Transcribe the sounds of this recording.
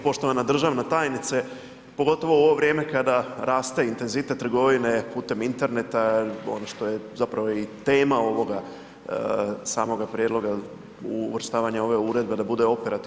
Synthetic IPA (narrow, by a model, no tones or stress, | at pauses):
po̞ʃt̪o̞ʋanad̪r̩ʒaʋnat̪aːjnit̪se | po̞ɡo̞t̪o̞ʋo̞uoʋo̞ʋɾje̞ːme̞kad̪aɾaːst̪e̞int̪e̞nzit̪et̪ːr̩ɡo̞ʋine̞puːt̪e̞mint̪e̞ɾne̞t̪ao̞̰noʃt̪o̞je̞zapɾaʋo̞it̪e̞ːmao̞ʋo̞ɡa | saːmo̞ɡapɾʲjed̪lˠo̞ɡa | uʋɾ̩st̪aːʋaɲao̞ʋe̞uɾe̞d̪̚be̞d̪abud̪e̞o̞peɾat̪i